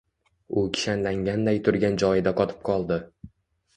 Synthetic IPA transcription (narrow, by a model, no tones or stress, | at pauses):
ʊkʲʰɪ̥ʃanlaŋɡʲand̪ajt̪ʰʊɾɡʲand͡ʒɒɪd̪aqʰɒt̪ʰɪ̥p̚qʰɒlˠd̪ɪ